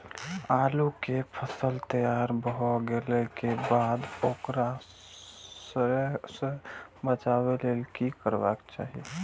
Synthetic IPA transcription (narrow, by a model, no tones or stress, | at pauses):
alukepʰəsəlt̪əjaɾbəɦɔɡelɛkebad̪okɾa | səɾsə̃bət͡ʃabelelkikəɾba̰kt͡ʃa̰ɦḭe